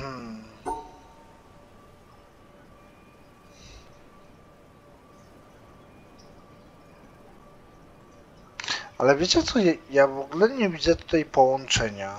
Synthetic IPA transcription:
m̩ | alɛvʲjet͡ɕɛt̪sɔjɛjavɔɡulɛɲɛvʲid̪zɛt̪u̥t̪ajpɔwɔnt͡ʂɛɲa

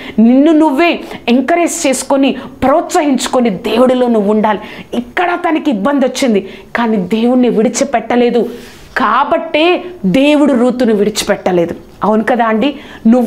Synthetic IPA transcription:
ninːunuʋːe̞ːeŋkɐɾe̞ːst͡ʃe̞ːsu̥konipɾoːt̪sɐɦiɲt͡ʃu̥konid̪e̞ːwuɽulo̞ːnuʋːuɳɖaːliikːɐɽɐt̪ɐnikiibːɐnd̪ɐt͡ʃːind̪ikaːnid̪e̞ːwuɽniʋiɽit͡ʃipɛʈːɐle̞ːd̪u | kaːbɐʈːe̞ːd̪e̞ːwuɽuɾuːt̪uniʋiɽit͡ʃi̥pɛʈːɐle̞ːd̪u | ɐʋunikɐd̪aːɳɖi | nu

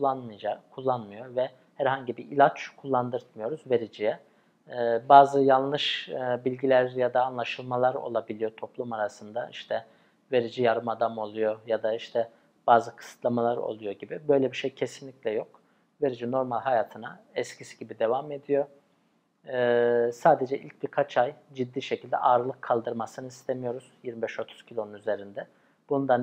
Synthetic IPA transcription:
ulˠːanmɯjad͡ʒakʰulˠːanmɯjo̞vɛ | hæɾɦaɲɟibiilʲat͡ʃkʰulˠːand̪ɯɾt̪mɯjo̞ɾuzve̞ɾid͡ʒijɛː | baːzɯjanˠlˠɯʃbilʲɟilʲæɾjad̪aːnlˠaʃɯlˠmalˠaɾo̞̰lˠabilʲijo̞t̪ʰo̞plˠumaɾasɯnd̪aiʃt̪ʰɛ | ve̞ɾid͡ʒijaɾɯmad̪amo̞lˠujo̞jad̪aiʃt̪ʰɛ | b̥aːzɯkʰɯ̥sɯ̥t̪ʰlˠamalˠaɾo̰lˠujo̞ɟibibø̞jlʲɛbiʃejcʰesinlʲiclʲɛjo̞k̚ | ve̞ɾid͡ʒino̞ɾmalʲɦajaːt̪ʰɯnaɛscʰisiɟibid̪e̞vame̞d̪ijo̞ | saːd̪e̞d͡ʒɛʔḭlʲc̚biɾkʰat͡ʃʰajd͡ʒid̪ːiːʃecʰilʲd̪ɛ̰ʔaːɾɯlˠɯkʰːalˠd̪ɯɾmasɯnɯist̪ʰemijo̞ɾuz̥jiɾmibɛʃo̞t̪ʰu̥z̥cʰilʲo̞nunyze̞ɾind̪ɛ | b̥und̪an

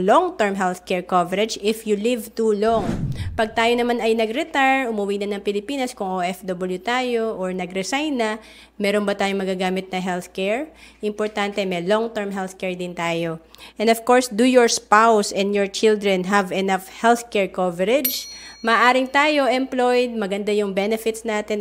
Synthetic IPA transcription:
lɔŋt̪ɛɹmɦɛlθkɛɹkovɛɾɛd͡ʒɪfjulɪvt̪uloŋpɐɡ̚t̪aːjonɐmanɐjnɐɡɾɛt̪aɹʔʊmʊwinɐnɐŋpɪlɪpiːnɐskʊŋʔoʔɛfd̪obɐljut̪aːjo̞ʔːɹnɐɡɾɛsajnːɐ | mɛːɾonbɐt̪aːjoŋmɐɡaːɡaːmɪt̪̚nɐɦɛlθkɛɹʔɪmpɔɹt̪ant̪ɛmɛloŋt̪ɛɹmɦɛlθkɛɹd̪ɪnt̪aːjoʔʔɛnovkoɹsd̪ujɔɹspawsɛ̃nd̪jɔɹt͡ʃɪld̪ɾɛnɦɐvɛnafhɛlθkɛɹkovɛɾɛd͡ʒmɐːʔaːɾɪŋt̪aːjo̞ʔɛmplojd̪̚mɐɡɐnd̪ajʊŋbɛnɛfɪt̪snaːt̪ɛn

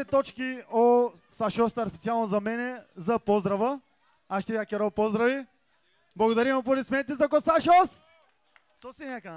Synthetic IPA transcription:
ɛt̪ɔt͡ʃkio | saʃɔst̪aɾspɛt̪sialˠnozɐmɛnɛzɐpɔzd̪ɾɐvə | aʃt̪ɛakʲɛɾɔpɔzd̪ɾɐvi | blˠɐɡod̪ɐɾimopoɾɛt̪smɛnɛt̪ɛzɐkɔsaʃos | sɔsinʲakən

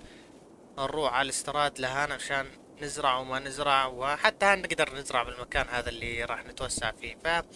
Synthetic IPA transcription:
ʔɪrˤːuːħʕalɪst̪ɪɾˤɑːd̪laɦaːnʕaʃaːnː | ɪzɾɑʕwmanɪzɾˤɑʕwɪħat̪ːahaːnnɪɡd̪ɑɾˤnɪzɾɑʕbɪlmakaːnhaːðalːiɾˤɑːħnɪt̪wasːa̰ʕfiːfa

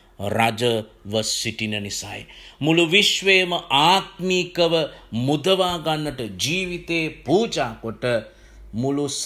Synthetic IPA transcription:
ɾad͡ʒɐʋɐsiʈinɐnisa̰ːj̰muluʋiʃʋeːmɐʔaːt̪mikɐʋɐmud̪ɐʋaːɡanːɐʈɐd͡ʒiːʋit̪eːpuːt͡ʃaːkoʈɐ | mulus

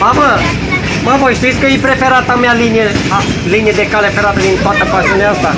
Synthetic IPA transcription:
mama | maməʃt̪it̪sʲkəjepɾe̞fe̞ɾat̪amealinijealinijed̪e̞kalefeɾat̪əd̪int̪oat̪əpasiuneaast̪a

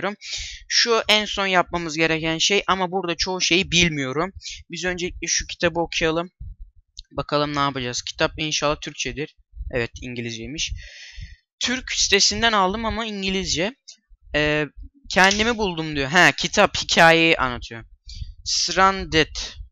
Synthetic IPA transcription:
ɾumʃuʔænso̞njap̚mamɯzɟe̞ɾɛcænʃe̞jʔamabuɾd̪at͡ʃʰo̞ʃe̞jibilʲmijo̞ɾumbizø̞nd͡ʒelʲiclʲɛʃucʰi̥t̪ʰabɯokʰujalˠɯm | bakʰalˠɯmnaːpad͡ʒaz̥cʰi̥t̪ʰap̚inʃalˠːat̪ʰyɾc̚t͡ʃʰed̪iɾ̥ | ɛvɛt̪iɲɟilʲizd͡ʒejmiʃ | t̪ʰyɾcʰsi̥t̪ʰe̞sind̪ænalˠd̪ɯmamaiɲɟilʲizd͡ʒɛː | cʰɛnd̪imibulˠd̪umd̪ijoɦæcʰit̪ʰaphicʰaːjejiʔa̰nːat̪ʰɯjo̞sɾand̪ɛt̪

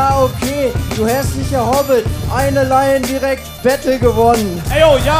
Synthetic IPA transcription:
aːokʰeːd̥uːhɛstnɪçɐhɔbətʔaɪnəlaɪəndiʁɛk̚tb̥ɛtl̩ɡəvɔnənɛɪoja

